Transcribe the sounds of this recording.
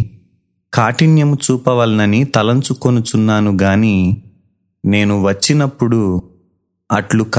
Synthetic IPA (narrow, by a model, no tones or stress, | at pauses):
kaːʈinjɐmut͡ʃuːpɐʋɐlnɐnit̪ɐlɐnt͡ʃuko̞nut͡ʃunːaːnuɡaːniː | ne̞ːnuʋɐt͡ʃːinɐpːuɽu | ɐʈluk